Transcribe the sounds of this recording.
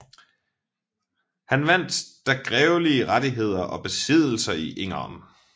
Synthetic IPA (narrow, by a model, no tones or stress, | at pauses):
hænʋæn̰d̥d̥æɡ̥ʁɛʊliəʁad̥iɦe̝ð̞̰ˠɐʔɒ̽b̥e̝sið̞̰ˠl̩sɐiʔeŋɐm